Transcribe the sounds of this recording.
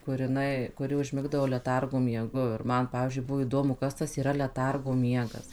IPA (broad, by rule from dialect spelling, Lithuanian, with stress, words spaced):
kʊr jɪˈnɐɪ kʊˈrʲɪ ʊʒʲˈmʲɪɡdɐʋoː lʲɛˈtɐrɡoː mʲiɛˈɡʊ ɪr ˈmɐn ˈpɑːʋʲiːzʲd͡ʒʲʊɪ ˈbʊʋoː iːˈdoːmʊ ˈkɐs tɐs iːˈrɐ lʲɛˈtɐrɡoː ˈmʲiɛɡɐs